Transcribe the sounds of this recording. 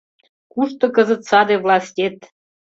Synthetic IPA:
kuʃt̪ɤ̆kə̆zə̆t̪sɑd̪evlɑsʲtʲet̪

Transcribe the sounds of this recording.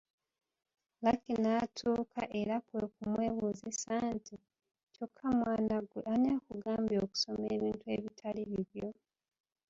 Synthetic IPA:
lakinaːtʰuːkʰaʔe̞ɾakwekumwe̞ːβuzisaːntʰi | co̞kʰːamwaːnaɡweʔanekuɡʔaːmbjo̞ːku̥so̞meːβiːntue̞̰ːβitʰaliβiβjo̞

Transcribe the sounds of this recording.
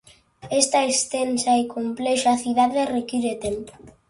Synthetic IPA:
est̪ɐest̪ensaekʰomplɛʃaθiðaðerekiɾet̪empo̥

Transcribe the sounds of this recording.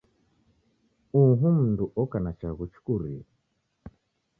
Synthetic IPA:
uɦum̩nduʔɔkanat͡ʃaɣut͡ʃu̥kuɾia

